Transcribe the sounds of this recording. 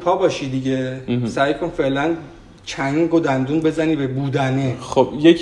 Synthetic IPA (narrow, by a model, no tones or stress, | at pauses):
pʰɒːbɒːʃid̪iɟesæjkʰo̞nfe̞ʔlæn | t͡ʃʰæŋɡod̪ænd̪unbe̞zæniːbebuːd̪æneχobjekʰ